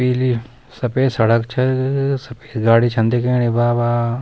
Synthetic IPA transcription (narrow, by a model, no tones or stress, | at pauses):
piːli | sɐpeːsɐɽɐkt͡ʃʰɐsɐpeːɡaːɽit͡ʃʰɐ̃nd̪ikeːnibaːbaː